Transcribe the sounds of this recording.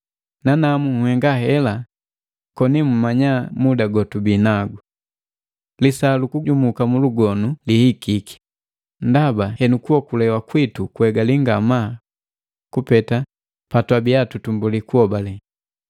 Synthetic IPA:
nanamuŋhɛŋɡaɦɛla | kɔnimumaɲamudaɡɔtubinaɡu | lisalukuɟumukamuluɡɔnulihikiki̥ | ndabahɛnukuɔkulɛwakwitukuɛɡaliŋɡama | kupɛta | patwabiatutumbulikuhɔbalɛ

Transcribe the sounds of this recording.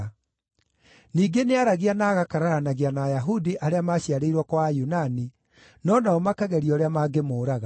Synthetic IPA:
niːɡeneaɾaɣianaːɣakaɾaɾanaɣianaːjaɦudiʔaɾeamaːɕiaɾeiɾwɔkwajunani | nɔnaɔmakaɣɛɾiɔɾeamaːɡemoːɾaɣa

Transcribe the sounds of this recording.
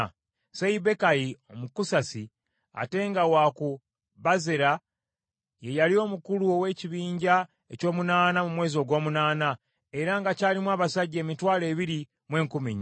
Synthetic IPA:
seibe̞kajio̞mukusasi | a̰te̞ŋɡawaːku | βazeɾa | je̞jalio̞ːmukuluo̞we̞ːciβiːɲɟa | e̞co̞ːmunaːnamumwe̞ːzo̞ɡo̞ːmunaːna | e̞ɾaŋɡacaːlimwaːβasaɟːe̞ːmitwaːle̞ːβiɾi | mwe̞ːŋkumiɲ

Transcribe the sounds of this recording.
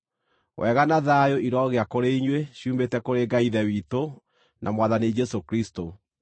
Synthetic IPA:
wʔɛɣanaðajoʔiɾɔɣeakoɾeiɲweɕiuːmbetɛkoɾeɡaiðɛwiːto | nʔa̰mwaðanid͡ʒɛsokɾisto

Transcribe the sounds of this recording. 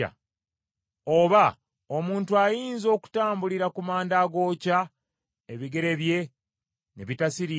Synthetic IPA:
a̰ | oβa | omuːntuajiːnzo̞ːku̥taːmbuliɾakumaːndaːɡo̞ːca | eβiɡe̞ɾe̞βje̞ | neβitasiɾi

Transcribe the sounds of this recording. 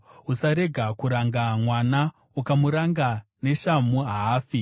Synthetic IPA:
usaɾe̞ɡʱakuɾaŋɡamwana | ukamuɾaŋɡa | ne̞ʃamuɦaːfi

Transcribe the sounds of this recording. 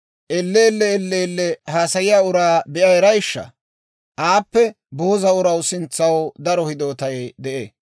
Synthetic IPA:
ʔɛlːeːlːɛːlːeːlːɛhaːsɐjɪjaːʊɾaːbɛʔɐjɛɾɐjɪʃːɐ̰ | ʔaːpːɛ | bo̞ːzɐʊɾɐwsɪnt͡sːɐwd̪ɐɾɔhɪd̪o̞ːt̪ɐjd̪ɛʔe

